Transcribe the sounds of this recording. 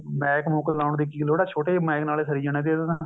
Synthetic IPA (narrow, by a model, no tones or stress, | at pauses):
mɛ̃ːkmoːkəllãːɳd̪iːkiːloːɽaːt͡ʃʰoːʈeːmɛːknaːleːsəɾiːd͡ʒəñẽːd̪eːd̪na